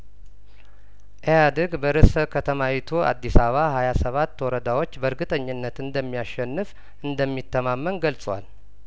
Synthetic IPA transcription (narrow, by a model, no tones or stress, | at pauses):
ʔejad̪əɡbəɾɨsəkʰət̪ʰəmawit̪ʰua̰d̪ːisaβahajasəβat̪ːwɔɾəd̪awo̞t͡ʃːbəɨɾɡɨt̪ʼəɲːɪnːət̪ɨnd̪əmːijaʃːɛnːɨf | ʔɨnd̪əmːit̪ʰːəmamːənɡəlsʼəwa̰l